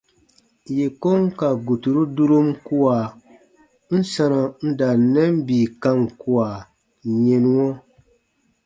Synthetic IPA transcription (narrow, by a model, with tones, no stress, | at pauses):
je˨ko˦ŋka˨ɡu˨tu˨ɾu˦du˦ɾo˦mku˦a˨ | n̩˦sa˦na˨n̩˦da˨nɛ˦m˦biː˨ka˦ŋku˦a˨ | ɲe˨nu˦ŋɔ˦